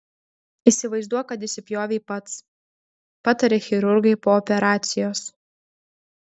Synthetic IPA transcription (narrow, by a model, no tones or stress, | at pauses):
isʲɪʋɐɪzd̪uɔjkɐt̪d̪ʲɪsʲɪpʲjoːʋʲɛːpɐt̪s | pɑːt̪ɐɾʲɛxʲɪɾʊɾɡɐɪpoːɔpʲɛɾɑːt̪sʲɪjoːs